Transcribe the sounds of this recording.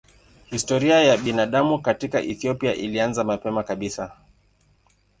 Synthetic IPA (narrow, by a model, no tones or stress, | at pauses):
histɔɾiajaɓinaɗamukatika̰ʔɛθiɔpiaʔilianzamapɛmakaɓisa